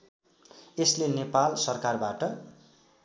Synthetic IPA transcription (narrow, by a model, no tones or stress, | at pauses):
eslenepalsʌrkarbaʈʌ